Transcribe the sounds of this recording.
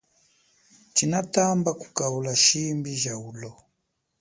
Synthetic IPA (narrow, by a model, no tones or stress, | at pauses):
t͡ʃinatambaku̥kaulaʃimbiʒaulɔ